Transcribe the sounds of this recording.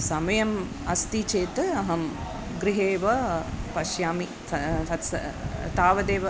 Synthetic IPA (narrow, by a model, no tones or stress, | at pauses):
sɐmɐjɐm | ɐst̪it͡ʃeːt̪ɐɐɦɐm | ɡɾiɦeːʋɐpɐʃjaːmi | ɐsɐ̰t̪aːʋɐd̪eːʋɐ